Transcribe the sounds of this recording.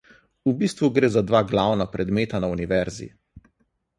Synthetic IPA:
ubiːst̪ʋuɡɾeːzad̪ʋaɡlawnapɾɛd̪meːt̪anauniʋɛɾzḭ

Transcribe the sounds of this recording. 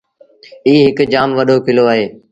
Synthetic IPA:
iːɦɪkd͡ʒaːmʋəɗoːkɪloːaːɦeː

